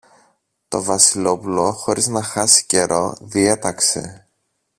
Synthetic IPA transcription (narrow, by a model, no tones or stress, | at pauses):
t̪o̞vɐsilo̞pulo̞xo̞ɾiznɐxɐsi̥ce̞ɾʔo̞̰ðie̞t̪ɐkse̞̰